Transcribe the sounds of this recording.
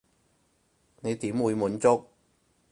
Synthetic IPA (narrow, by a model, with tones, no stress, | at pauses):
ne˨˧jt̪iː˨˥mwuː˨˧jmuː˨˥nt͡sʊ˥k̚